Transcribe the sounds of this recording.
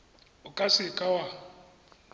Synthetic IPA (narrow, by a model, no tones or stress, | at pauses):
ʊkʼasɪkʼawa